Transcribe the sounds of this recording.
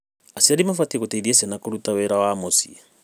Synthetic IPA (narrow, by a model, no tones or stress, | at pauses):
asiadimafatikutaidiɛsɛnakuɾutawɛɾawaːmɔsḭ